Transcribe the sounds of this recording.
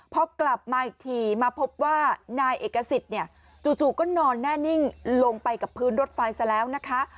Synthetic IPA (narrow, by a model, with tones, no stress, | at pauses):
pʰɔ˦˥kla˨˩p̚maː˧˨˩t̪ʰiː˨˩maː˧pʰo˦˥p̚waː˥˩naː˧jʔeː˨˩kːa˧si˨˩t̪̚ni˥˩ə | t͡ɕuː˨˩t͡ɕuː˨˩kɔː˥˩nɔː˧nːɛː˥˩ni˥˩ŋlo˧ŋpa˧jka˨˩pʰːɯː˦˥nɾo˦˥t̪̚fa˧jsa˧˩lɛː˦˥wna˦˥kʰa˦˥ʔ